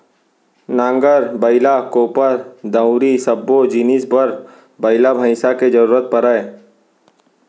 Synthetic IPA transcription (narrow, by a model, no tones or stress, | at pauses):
nãːŋɡəɾbəɪlakoːpəɾd̪ə̃ʊ̃ɾisɐbːod͡ʒinisbəɾ | bəɪlabʱə̃ɪsaked͡ʒəɾuːɾət̪̚pəɾəe